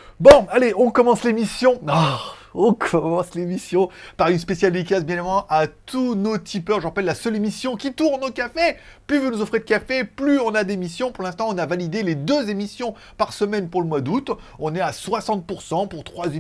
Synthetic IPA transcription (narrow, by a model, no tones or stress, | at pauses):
bɔ̃aleɔ̃kɔmɑ̃slemisjɔ̃aɔ̃kʰɔmɑ̃slemisjɔ̃paʁynspesjald̪ikʲasbjɛ̃nevɑ̃ʔat̪ʰunot̪ʰipœʁʒəʁapɛlːasœlemisjɔ̃kʲit̪uʁnokafe | plyvunuzɔfχed̪əkʲafeplyɔ̃nad̪emisjɔ̃puʁlɛ̃st̪ɑ̃ɔ̃navalid̪eled̪øzemisjɔ̃ | paʁsəmɛnpuʁləmwad̪ut̪ | ɔ̃nɛaswasɑ̃t̪̚puʁsɑ̃puʁt̪χwaze